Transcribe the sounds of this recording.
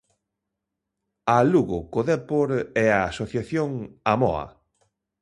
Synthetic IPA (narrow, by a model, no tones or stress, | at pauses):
aluɣʊkoðɛpoɾɛaasoθjaθjoŋamɔ̰a̰